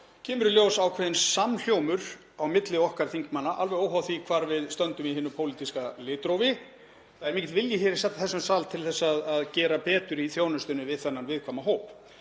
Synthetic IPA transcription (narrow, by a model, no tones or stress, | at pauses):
cʰɪːmʏɾʏljoːwsaːwkʰvɛːðɪnsaml̥joːwmʏɾ̥ | awmɪt̪lɪɔhkaɾ̥θiŋkmanːaʔa̰lvɛɣoːwɦawθvikʰvaːɾvɪðst̪œnt̪ʏmiɦɪːnʏpʰoːwlit̪iskalɪːt̪ɾoːwvɪ | θaðɛɾmɛcɛt̪vɪljɪçɛːɾɪ̥sɛt̪ːaθɛsːʏmsaːlt̪ʰɪlθɛsːaaðaðcɛːɾapɛːt̪ʏɾiθjoːwnʏst̪ʏnʏvɪðθɛnːanvɪːðkʰvaːmaɦoːwp